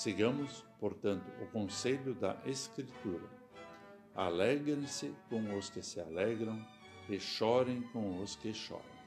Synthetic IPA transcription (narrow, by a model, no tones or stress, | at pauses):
seɡɐ̃mʊspoɾt̪ɐ̃nt̪ʊʊkõseʎʊd̪ɐ̰ʔeskɾit̪uɾɐ̰ | a̰lɛɡɾẽsɪkõw̃ʊskɪsɪalɛɡɾɐ̃w̃ | ɪʃɔɾẽj̃kõw̃ʊskɪʃɔ̰ɾɐ̰̃w̃